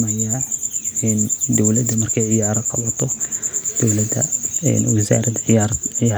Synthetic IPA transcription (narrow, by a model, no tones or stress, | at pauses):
mɐja | ɛnd̪ɔwlɐd̪ɐmɐrkʰɛjʕɪjaːɾɐqɑβɐt̪ʰɔd̪̥ɔwlɐd̪ɐ̰ɛ̰nwɪsa̰ːɾɐd̪ʕɪjaɾʕɪ